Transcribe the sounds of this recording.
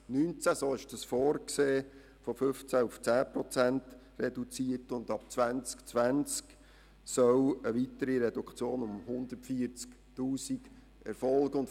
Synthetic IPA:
nynt͡sæsoːɪʃd̥əsfɔːrkseː | fofɵft͡sæuft͡sæːpɾɔt͡sænt | rɛdut͡siːətʊnd̪ɑp̚t͡sʋænt͡skt͡sʋænt͡sk | sœwəʋitəɾiɾɛdukχt͡sjoːnʊmhʊnd̪ətfiəɾt͡sk | tuːsiɡ̥ | ɛ̰ɾfɔlɡ̥əʊnt

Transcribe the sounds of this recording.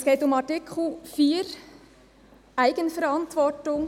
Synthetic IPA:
sɡ̥eːtʊmɑtɪkʰl̩fiːɾ | ʔæɪɡ̥ənfɛɾɑntʋɔɹtʊŋ

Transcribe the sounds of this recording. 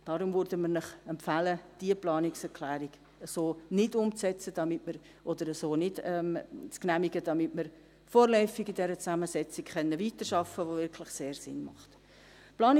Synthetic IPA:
d̥ɑɾʊmvʉɾdəmənɪχɛmpfæləd̥iəplɑːnɪksɛɾkʰlæːɾiɡ̥ | əsoːnɪdʊmt͡sɛt͡səd̥ɑmɪtməɾ | ʔɔd̥̪əɾəsoːnɪdɛmt͡sknæmiɡədɑmɪtmɪɾ | foːɾlœʏfɪɡidɛɾət͡sæməsɛt͡sɪkχœnːəviːtəɾʃɑfəʋovɪɾkʰlɪχseːɾsɪ̰nmɑ̰χt | plɑːn

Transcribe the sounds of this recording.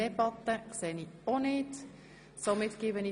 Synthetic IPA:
ebɑt̪ːəkseːnionɪːt | somɪt̪kiːbəni

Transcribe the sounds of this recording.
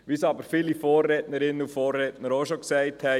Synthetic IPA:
ʋisɑbəɾfiːlifɔːrːɛːtnəɾɪnːəufoːrːɛːtnəɾoʃoksɛɪthɛ

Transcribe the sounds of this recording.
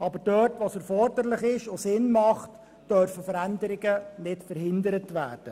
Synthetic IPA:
ɑbəɾdœtʋosɛɾfɔɾdəɾlɪχɪʃosɪnmɑχt | d̥œɾfəfəɾændəɾɪɡənɪtfəɾhɪndəɾətʋæːrd̥ə

